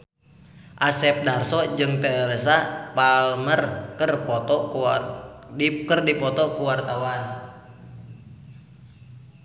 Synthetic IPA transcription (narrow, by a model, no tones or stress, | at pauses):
ʔasɛp̚darsɔd͡ʒɨŋt̪ɛɾes̬apalmərkərpɔt̪ɔ | kərdipɔt̪ɔkuwart̪awan